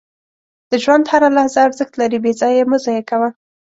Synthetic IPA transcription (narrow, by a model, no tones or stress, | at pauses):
d̪̥əʒwand̪haɾalahzaaɾzəxt̪laɾibezɑjemʊzajekawa